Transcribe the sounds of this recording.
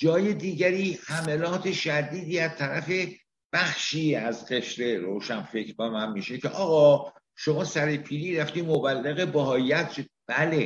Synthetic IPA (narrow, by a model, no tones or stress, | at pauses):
d͡ʒɒːjed̪iːɟæɾiːhæmelɒːt̪ʰe̞ʃæd̪iːd̪iːæz̥t̪ʰæɾæfe̞ | b̥æxʃiːæzɢe̞ʃɾe̞ɾoːʃænfecʰɾbemænmiːʃe̞cʰeʔɒːɣɒː | ʃo̞mɒːsæɾepʰiːɾiːɾæft̪iːmobælːeɣe̞bɒɦɒːijæt̪ʃob̥æle̞